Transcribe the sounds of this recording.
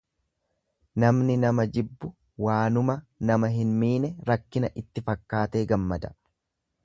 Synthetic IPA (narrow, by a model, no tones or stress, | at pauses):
nɐmnɪnɐmɐd͡ʒɪbːʊ | waːnʊmɐnɐmɐɦɪnmiːnɛɾɐkːɪnɐʔɪt̪ːɪfɐkːaːt̪e̞ːɡɐmːɐd̪ɐ̥